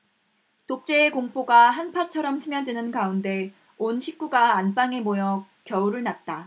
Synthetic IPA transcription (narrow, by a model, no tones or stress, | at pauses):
tok̚t͡ɕ͈e̞ːkoŋp͈oɡaɦanpʰat͡ɕʰʌɾʌmɕʰimjʌdwenɯnkaunde̞ | onɕʰik̚k͈uɡaːnp͈aŋe̞mojʌ | kjʌuɾɯɭnat̚t͈a